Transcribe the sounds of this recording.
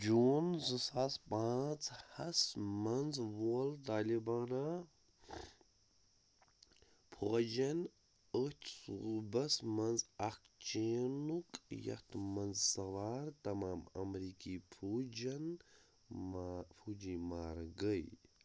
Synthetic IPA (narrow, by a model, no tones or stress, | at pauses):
d͡ʒunzɨsaːspãːt͡sʰhɐsmɐnzʋoːlt̪aːlibaːna | pʰuɐd͡ʒɐn | ət̪ʲʰsubɐsmɐnzɐkt͡ʃeːnukjɐ̰t̪mɐnzsɐʋaːɾt̪ɐmaːmɐ̰mɾiːkiːpʰuːd͡ʒɐn | pʰud͡ʒiːmaːɾɡəj